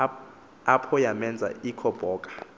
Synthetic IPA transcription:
apʰɔjamɛnd͡zʱa̰ikʰɔb̥ʱɔːkʼḁ

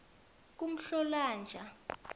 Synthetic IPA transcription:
k̬ʼum̩ɬɔlaːnd͡ʒʱa

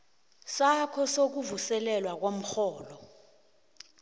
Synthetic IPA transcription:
sakʰɔsok̬uvusɛlɛlwak̬wom̩xɔːlɔ

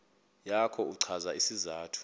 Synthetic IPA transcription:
jakʰɔuǀʰazaisizaːtʰu̥

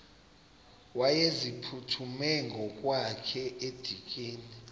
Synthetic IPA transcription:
wajezipʰutʰumɛŋɡʱɔkʼwakʰɛed̥ʱikʼiːni

